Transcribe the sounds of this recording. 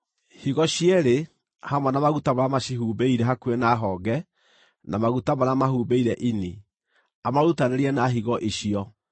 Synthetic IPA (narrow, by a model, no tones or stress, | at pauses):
hiɣɔɕiɛɾe | hamwɔnamaɣutaβaɾamaʃiɦubeiɾɛɦakuenaɦɔːɡɛ | namaɣutamaɾamahubeiɾɛʔini | amaɾutaneɾiɛnaɦiɣɔʔeɕiɔ